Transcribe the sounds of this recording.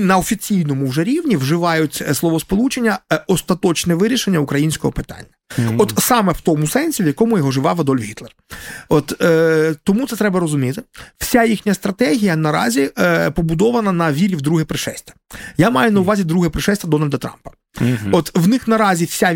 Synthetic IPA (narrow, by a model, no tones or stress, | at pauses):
nɐɔfʲit͡sʲijnɔmʊwʒɛɾʲiʋnʲiwʒɪʋɑjʊtʲslˠɔʋɔspɔlˠut͡ʃenʲːɐɔst̪ɐt̪ɔt͡ʃnɛʋɪɾʲiʃenʲːɐʊkɾɐjinʲsʲkɔɦɔpɪ̥t̪ɑ̰nʲːɐɔt̪sɑmɛwt̪ɔmʊsɛnʲsʲiʋjɐkɔmʊjɔɦɔʒɪʋɑʋɐd̪ɔlʲfɦit̪lˠerɔt̪ːt̪ɔmut̪ɛt̪ɾɛbɐɾɔzʊmʲit̪ɪwsʲajixnʲɐst̪ɾɐt̪ɛɦʲijɐnɐɾɑ̰zʲipɔbʊd̪ɔʋɐnɐnɐʋʲiɾʲiwd̪ɾuɦɪpɾɪʃɛsʲt̪ʲɐjamɑjʊnɐʊʋɑzʲid̪ɾuɦɪpɾɪʃɛsʲt̪ʲɐd̪ɔnɐlʲd̪ɐt̪ɾɑ̰mpɐ̥ | ɔt̪wnɪxnɐɾɑzʲiwsʲa